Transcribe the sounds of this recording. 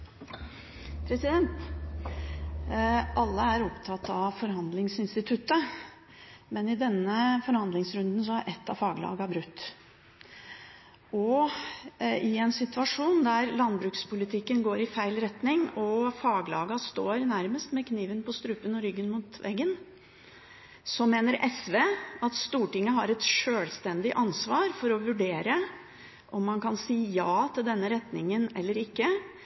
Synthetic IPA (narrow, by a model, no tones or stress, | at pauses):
pʰɾɛsɪd̪ɛnt̪ | ʔɑlːəæɾɔpt̪ʰɑt̪ɑʋfɔɾhɑnd̪lɪŋsɪnst̪ɪt̪ʰʉt̪ːə | mɛnɪd̪ɛnːəfɔɾhɑnd̪lɪŋsɾʉnd̪n̩sɔæɾʔɛt̪ːɑfɑːɡlɑ̰ːɡɑbɾʉt̪ː | ʔɔ | ɪɛnsɪt̪ʉɑʂuːnd̪æɾlɑnbɾʉːkspʊlɪt̪ʰɪkːənɡoːɾɪfæɪlɾɛt̪nɪŋɔfɑːɡlɑ̰ːɡɑst̪oːɾnæɾməst̪mɛkʰniːʋənpʰɔst̪ɾʉːpənɔɾʏɡːənmuːt̪ʋɛ̰ɡːən | sɔmeːnəɾʔɛsʋeːɑt̪st̪uːʈɪŋːəɦɑɾɛt̪ʂøːlst̪ɛnd̪ɪʔɑnsʋɑːɾfɔɾɔʋʉɖeːɾə | ʔɔmːɑnkɑnsiːjɑːt̪ʰɪld̪ɛnːəɾɛt̪nɪŋːənɛlːəɾɪkːə